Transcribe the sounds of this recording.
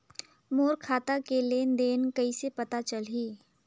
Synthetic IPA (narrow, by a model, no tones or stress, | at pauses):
moːɾkʰaːt̪akeleːnd̪eːnkɐisepɐt̪at͡ʃəlɦiː